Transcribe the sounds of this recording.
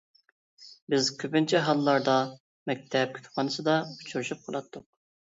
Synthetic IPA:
bɪzkʲʰøpynt͡ʃʰɛɦɑlˠːɑɾd̪ɑ | mɛk̚ʲt̪ʰɛp̚kʲʰy̥t̪ʰpʰɑnɨsɨd̪ɑu̥t͡ʃʰuɾʃup̚qʰəlˠɑ̰t̪ʰːʊq̚

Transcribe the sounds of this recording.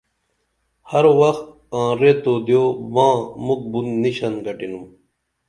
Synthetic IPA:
hɐɾwɐxt̪̚ | ãːɾet̪oːd̪joːmãːmuk̚bunːiɕɐnɡɐʈinum

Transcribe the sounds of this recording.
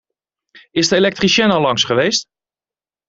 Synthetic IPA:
ɪsdəelɛk̚triʃɛnɑlɑŋsχəʋejst

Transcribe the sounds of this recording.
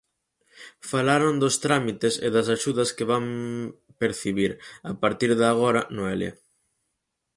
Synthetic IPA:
falaɾond̪ost̪ɾamit̪esɪ̰ðɐsaʃuðɐskeβam | peɾθiβiɾapaɾt̪iɾðaɣ̞oɾɐnoelja̰

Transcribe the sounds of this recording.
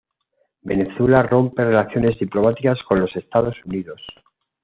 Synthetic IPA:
be̞ne̞θwe̞laro̞mpe̞re̞laθjo̞ne̞zðiplo̞mat̪ikasko̞nlo̞se̞st̪aðo̞suniðo̞s

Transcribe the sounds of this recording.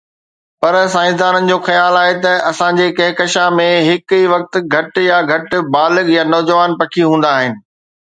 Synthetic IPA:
pɐɾsaːɪ̃sd̪aːnənɪ̆d͡ʑoːxɐjaːlaːɦet̪ɐɐsãɲd͡ʑeːkɐɦɪkɐʃamẽɦɪkiʋɐk̚t̪̆ɡʱɐʈjaɡʱɐʈ̆baːlɪɡjanɔːd͡ʑəʋaːnpɐkʰiɦũːn̆d̪aːɦɪnɪ̆

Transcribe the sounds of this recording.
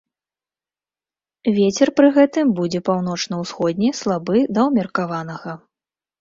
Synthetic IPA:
vʲet͡sʲɛrpɾɨɣɛt̪ɨmbud͡zʲɛpawn̪ɔt͡ʂnɐwsxɔd̪ʲnʲɛslˠabɨd̪ɐwmʲɐrkavan̪ɐɣɐ

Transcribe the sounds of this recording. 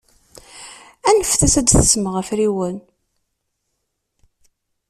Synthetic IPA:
ænəfθæsæd̪θəsməʁəfɾiwən

